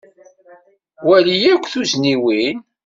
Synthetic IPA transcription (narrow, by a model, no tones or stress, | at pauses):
wælijækʷːθuzniwin